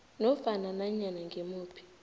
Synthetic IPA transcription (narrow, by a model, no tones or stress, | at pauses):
nɔfananaɲanaŋɡʱemuːpʰi̥